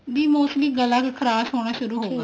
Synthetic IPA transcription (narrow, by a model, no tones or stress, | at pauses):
biːmõːʊsliːɡəlːãːkekʰəɾaːsɦoːɽ̃aːʃʊɾuːɦoːɡ